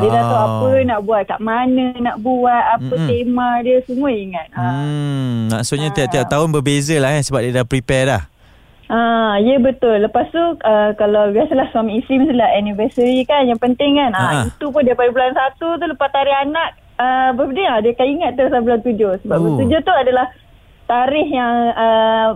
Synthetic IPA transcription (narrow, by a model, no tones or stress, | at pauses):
diədat̪oʔapənaʔbuat̪̚kaʔmanə̃naʔbuat̪̚apət̪emãdiəsuŋuəiŋat̪̚a | mã̰ʔsʊt̪̚ɲãt̪iaʔt̪iap̚t̪aʊnbəbezəlahansəbap̚diədapɾipɛlah | ʔajəbət̪ʊlːəpast̪uəkalawbiasəlahsuamisimisulaʔanivəsəɾikanjaŋpənt̪ɪŋkanait̪up̬ʊndiəpadabulansat̪ut̪̬uləpast̪aɾɪhanaʔ̚ | əbədəadəkaiŋat̪̚ːəɾasalbulant̪ud͡ʒosəbapbət̪ud͡ʒot̪uadalah | t̪aɾɪɦjaŋə